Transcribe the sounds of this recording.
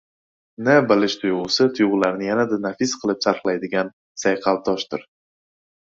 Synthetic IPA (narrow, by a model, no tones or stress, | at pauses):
nɪbɪlɪʃt̪ʰʊjʁʊsɪt̪ʰʊjʁʊlaɾnɪjanad̪anafɪsqʰɨlˠɪpsaɾqlˠajd̪ɪɡʲan | sajqʰɑlˠt̪ʰɒʃt̪ɪɾ